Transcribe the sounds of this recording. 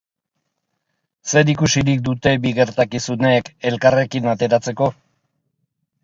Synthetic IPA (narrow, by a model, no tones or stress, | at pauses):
se̞ɾikusiɾik̚d̪ut̪e̞biɣe̞ɾt̪akisune̞ːke̞lkare̞kinat̪e̞ɾat͡se̞ko̞